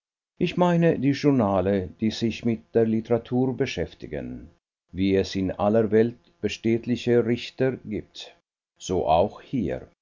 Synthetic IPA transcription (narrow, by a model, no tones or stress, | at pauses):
ʔɪçmaɪnədiːʒʊnaːləd̥iːzɪçmɪt̚d̥eːɐlɪtəʁatʰuːɐbəʃɛftɪɡə̰n | viːɛsɪnʔaləvɛlt̚ | b̥əʃteːtlɪçəʁɪçtəɡiːp̚t | z̥oːʔa̰ʊxhiː